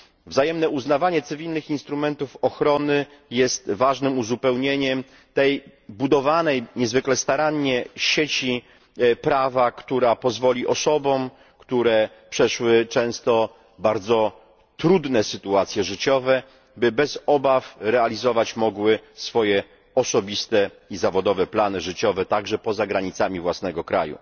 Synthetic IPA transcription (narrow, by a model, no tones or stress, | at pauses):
vzajɛmnɛuznavaɲɛt̪sɘvʲilnɘxinst̪ɾumɛnt̪ufɔxɾɔnɘjɛst̪vaʐnɘmuzupɛwɲeɲɛm | t̪ɛjbud̪ɔvanɛjɲɛzvɘklɛst̪aɾaɲːɛɕet͡ɕi | pɾavakt̪uɾapɔzvɔlʲiʔɔsɔbɔ̃m | kt̪uɾɛ | pʂɛʂwɘt͡ʂɛ̃w̃st̪ɔ | baɾd̪zɔ | t̪ɾud̪nɛsɘt̪uat̪sʲjɛʐɘt͡ɕɔvɛ | bɘbɛzɔbafɾɛalʲizɔvat͡ɕmɔɡwɘsfɔjɛ | ɔsɔbʲist̪ɛizavɔd̪ɔvɛplanɘʐɘt͡ɕɔvɛt̪aɡʐɛpɔzaɡɾaɲit̪samʲivwasnɛɡɔkɾa̰jṵ